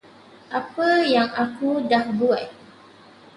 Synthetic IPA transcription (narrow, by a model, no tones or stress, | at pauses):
ʔapəjaŋakudahbuat̚